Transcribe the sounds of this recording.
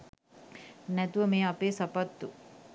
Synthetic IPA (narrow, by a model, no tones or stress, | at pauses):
nɛt̪uʋəmeːapeːsapat̪ːu